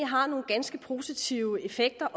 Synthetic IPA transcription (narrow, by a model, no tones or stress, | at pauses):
ɦɑ̈no̝ːn̩ɡ̥ænsɡ̥əpʰo̝ːsit͡sʰiʊəe̝feɡ̥̚d̥ɐʔ